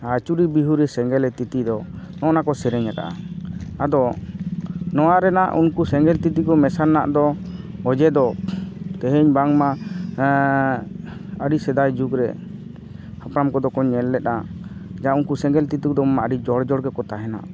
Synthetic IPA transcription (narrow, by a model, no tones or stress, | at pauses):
at͡ʃuɾibiɦuɾɛsɛŋɡɛlɛt̪it̪id̪ɔ | nɔʔnakɔsɛɾɛɲat̪a̰ʔa̰ad̪ɔ | nɔwaɾɛna̰ʔṵnkusɛŋɡɛlt̪it̪ikɔmɛsannːa̰ʔd̪ɔɔd͡ʒɛd̪ɔt̪ɛɦɛɲbaŋma | əɽisɛd̪ajd͡ʒuɡɾɛ̰ | hapɾamkɔd̪ɔkɔɲːɛlːɛt̪̚nad͡ʒaaunkusɛŋɡɛlt̪it̪uk̚d̪ɔmmaʔəɖid͡ʒɔɽd͡ʒɔɽɡɛkɔt̪aɦɛna̰ʔ